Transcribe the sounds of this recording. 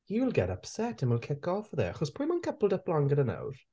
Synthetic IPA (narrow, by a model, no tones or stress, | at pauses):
juwɪlˠɡɛ̰ɾʌpsɛtə̃nwɪlˠkʰɪkɔfðə̰xʰɔz̥pʰɹĩmə̃nkʰəpl̩ˠdəplɔ̃ŋɡəðə̃na̰ʊɾ